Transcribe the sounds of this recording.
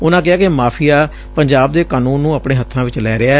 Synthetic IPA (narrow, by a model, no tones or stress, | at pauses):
ʊnãːk̬ɪaːkemaːpʰɪjaː | pəɲd͡ʒaːbd̪eːkaːnũːnːũːəpɳeːɦət̪ʰːãːʋɪt͡ʃlɛːɾɪaː